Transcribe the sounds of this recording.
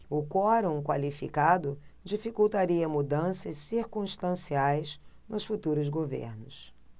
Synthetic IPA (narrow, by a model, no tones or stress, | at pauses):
ʊkɔɾõw̃kwalifikad̪ʊd͡ʒifikuwt̪aɾiɐmud̪ɐ̃sɐssiɾkũʃt̪ɐ̃siajz | nʊsfut̪uɾʊzɡovḛɾnʊs